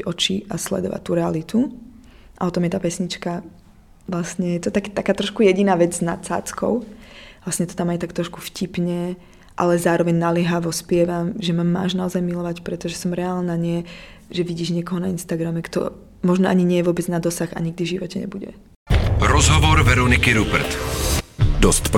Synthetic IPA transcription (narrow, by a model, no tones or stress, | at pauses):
ɔt͡ʃiaslɛ̰d̪ɔ̰ʋa̰ct̪ːuɾɛalit̪u | ʔaɔt̪ɔmjɛt̪aːpɛsɲit͡ʃka | ʋlasɲɛjɛt̪ɔt̪akt̪akaːt̪ɾɔʃkujɛɟinaːʋɛd͡zznasa̰ːt͡skɔ̰ʊʋlasɲɛt̪ɔ̥t̪amajt̪akt̪ɾɔʃku̥fcipɲɛ | ʔa̰lɛzaːɾɔʋɛɲnaliɦaʋɔspɪɛʋamʒɛmama̰ːʒnaɔzajmilɔʋacpɾɛt̪ɔʒɛsɔmɾɛaːlnaɲɪɛ | ʒɛʋiɟiːʒɲɪɛkɔɦɔnainst̪aɡɾamɛkt̪ɔ̰ | mɔʒnɔʔaɲiɲɪɛjɛʋʊɔbɛd͡znad̪ɔsaxa̰ɲiɡ̚d̪ivʒiʋɔcɛɲɛ̰buɟɛ̰ | ɾɔzɦɔʋɔɾvɛɾɔnikiɾubɛ̰ɾt̪ | d̪ɔstp